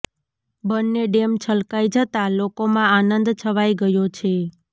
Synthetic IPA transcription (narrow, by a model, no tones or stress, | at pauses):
bənːeɖemt͡ʃʰəlkajd͡ʒət̪alokomãanənd̪t͡ʃʰəʋajɡəjot͡ʃʰe